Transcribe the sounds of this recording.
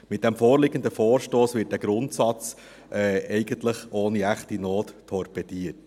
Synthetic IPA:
mɪt̚d̥ɛmfoːrlɪɡəndəfoːɾʃtoːsʋɪːt̚dæːɡ̥ɾʊntsɑt͡s | ʔɛːɛɪɡəntləχoːniæχtinoːttʰɔɾpɛd̥iət

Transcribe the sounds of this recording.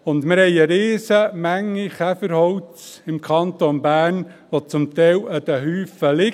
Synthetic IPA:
ʊndmɪɾhɛɪəɾeːsəmæŋːiχæfəɾhɔwt͡sɪmkʰɑnt̪onbæːɾnʋot͡sʊmt̪ɛɪləd̪əɦyːfəlɪ

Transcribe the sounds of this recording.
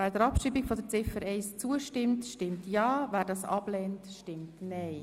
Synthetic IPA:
æːɾdəɾɑpʃiːbikfɔdət͡sɪfəɾɛɪst͡suəʃtɪmtʃtɪmtjɑːvæːɾdɑsɑ̰b̥lɛːntʃtɪmtnɛɪ

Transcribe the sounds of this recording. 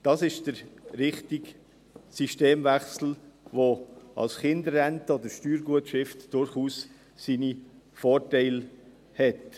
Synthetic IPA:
d̥ɑsɪʃd̥əɾɾɪχtiɡ | siʃteːmvæχsl̩ʋoɑ̰lsχɪndəɾːæntəod̪əʃtyːɾɡuətʃɪftd̥ʊɾχuːs | siːni | fɔːɾtɛɪl | hɛt

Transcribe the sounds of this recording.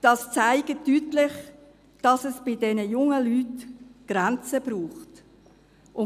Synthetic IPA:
d̥ɑst͡saɪɡətːytlɪχ | d̥ɑsɛsb̥ɪdɛnəjʊŋəlyːtɡ̥ɾænt͡səb̥ruːχt | ʔʊ

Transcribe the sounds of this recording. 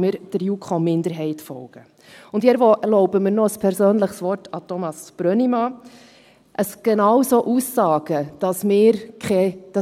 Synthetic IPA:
məɾd̥əɾjuːkʰχɔmɪndəɾɦɛɪtfɔ̰lɡ̥ə | ʊndiɛɾʋoʔɛlɔʊbəmɪɾnɔəspʰɛɾsøːnləχsʋɔrtʰɑtʰɔmɑsb̥ɾœnimɑ | ʔəsɡ̥enɑːwsoːʔusːɑːɡ̥əd̥ɑsmɪːɾkχɛd̥ɑ

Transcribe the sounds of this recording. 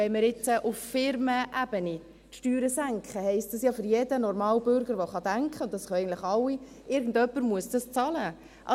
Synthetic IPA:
ɛɪməɾɪt͡səʔuffɪɾməʔæb̥əni | tʃtyːɾəsæŋkχəhɛɪst̚d̥ɑsjɑfʏɾjɛd̥ənɔɾmɑːlbʏɾɡəɾʋoχɑd̥æŋkχəʊnt̚ɑsχœɛɡən̩tləχɑlːi | ɪɾɡn̩dœpːəɾmuəsd̥ɑst͡sɑlə | ʔɑ

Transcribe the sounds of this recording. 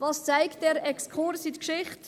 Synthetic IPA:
vɑːst͡saɪkt̚dɛːɾɛkskʰʊɾsitkʃɪχt

